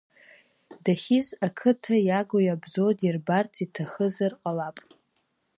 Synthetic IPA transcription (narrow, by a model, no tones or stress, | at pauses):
daχʲizakʰɨtʰajaɡʷojabzodʼirbartʰitʰaχəzarqʼalapʼ